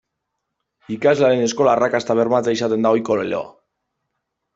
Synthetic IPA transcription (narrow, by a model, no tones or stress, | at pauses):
ikazlaɾe̞ne̞sko̞laːrakast̪aβe̞ɾmat͡seisat̪e̞nd̪aojkolleo̰a